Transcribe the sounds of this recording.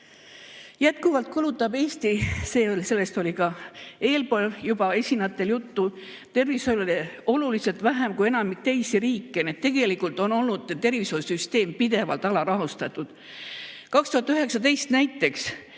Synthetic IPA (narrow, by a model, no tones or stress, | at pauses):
jæt̪̚kuvɑlt̪̚kulut̪ːˑɑb̥e̞ːst̪ise̞ːolise̞lːe̞st̪o̞lʲikɑe̞ːlpo̞ːljubɑe̞sʲinɑt̪ːe̞ljut̪ːu | t̪e̞rvisololo̞luliselt̪væɦæmkuje̞nɑmik̚t̪e̞jsiɾiːkːened̪t̪ːe̞ɡ̥e̞likult̪ˑo̞no̞lnud̪̥t̪e̞rvisojsyst̪e̞ːmpid̪̥e̞vɑ̰lt̪ˑɑlɑɾɑɦust̪ɑt̪ːˑud̪̥ | kɑkst̪uhɑt̪ːˑyɦe̞ksɑt̪e̞jst̪næjt̪ːˑe̞ks